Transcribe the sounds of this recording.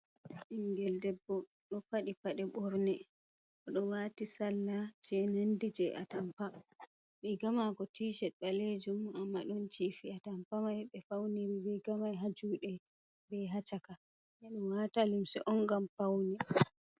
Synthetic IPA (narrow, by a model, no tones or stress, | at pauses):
ʔiŋɡɛldɛbːɔ | ɗɔpaɗipaɗɛɓɔɾnɛ | ʔɔɗɔwatisalːad͡ʒɛnandid͡ʒɛʔa̰tampa | ɓɛɡamakɔtʰiːʃɛɓaled͡ʒumamːaɗɔnt͡ʃifiatampamajɓɛfawniɾibɛɡamajɦad͡ʒuɗɛ | bɛɦat͡ʃaka | jaɗɔmwatalimsɛ̰ʔɔŋɡampawnɛ